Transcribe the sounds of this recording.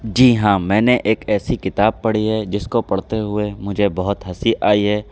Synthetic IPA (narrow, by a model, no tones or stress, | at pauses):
d͡ʒiːɦãːmɛ̃ːneʔeːkɛːsikɪt̪aːb̚pɐɽiɦɛd͡ʒɪskopɐɽ̤t̪eɦʊemʊd͡ʒʱebɐɦʊt̪ɦɐsiʔaːiɦɛː